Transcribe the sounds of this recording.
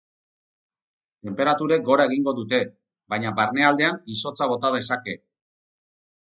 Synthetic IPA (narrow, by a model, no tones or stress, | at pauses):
t̪e̞mpe̞ɾat̪uɾe̞k̚ɡo̞ɾaeɣiŋɡo̞ðut̪e̞ | βajɲabaɾne̞ald̪e̞aniso̞t͡saβ̞o̞t̪að̞e̞sake̞